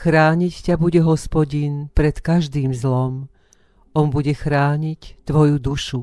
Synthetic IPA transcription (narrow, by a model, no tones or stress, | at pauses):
xɾaːɲiccabuɟɛɦɔspɔɟinpɾɛt̪kaʒd̪iːmzlɔm | ɔnbuɟɛxɾaːɲict̪ʋɔjud̪uʃu